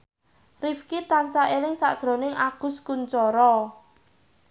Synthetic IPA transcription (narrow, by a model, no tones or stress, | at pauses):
rifkit̪ansaʔelɪŋsa̰ʔd̥ʒ̥ɾo̤nɪŋaɡ̥ʊ̤skunt͡ʃɔɾɔ